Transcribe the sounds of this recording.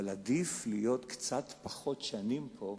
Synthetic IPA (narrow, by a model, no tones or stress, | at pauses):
lad̪iflijo̞t̪kt͡sat̪paχot̪ʃanimpʰo̞